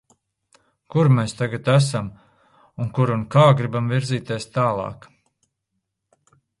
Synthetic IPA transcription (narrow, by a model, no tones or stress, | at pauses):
kuɾmest̪aɡat̪æsam | unkuɾunkaːɡɾibamviɾziːt̪eɛst̪aːlˠɑ̰ːk